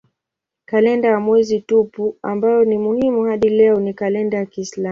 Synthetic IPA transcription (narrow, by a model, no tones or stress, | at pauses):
kalɛndajamwɛzitupuambajɔnimuhimuhaɗilɛɔnikalɛndajakiːsla